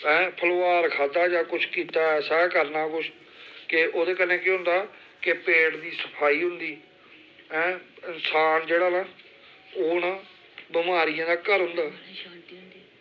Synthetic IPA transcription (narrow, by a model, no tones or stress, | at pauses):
ɛ̃ːpʰəlːaːɾkʰaːd̪aːd͡ʒaːkʊt͡ʃʰkiːt̪aːɛːsaːkəɾnaːkʊt͡ʃʰ | kɪʔoːd̪eːkənːẽːkeɦʊ̃nd̪aː | kɪpeːɽd̪iːsə̥pʰaːiːɦʊnd̪iː | ɛ̃ːɪnsaːnd͡ʒeːɽaːnaː | oːnaː | bɪmaːɾɪjãːd̪aːkəɾɦʊ̃nd̪aː